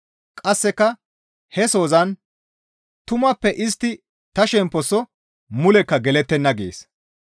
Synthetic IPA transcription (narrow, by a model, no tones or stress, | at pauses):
kʼɐsːɛkːɐ | hɛso̞ːzɐn | t̪ʊmɐpːɛʔɪst̪ːɪ | t̪ɐʃɛmpːɔsːɔ | mʊlɛkːɐɡɛlɛt̪ːɛnːɐɡḛːs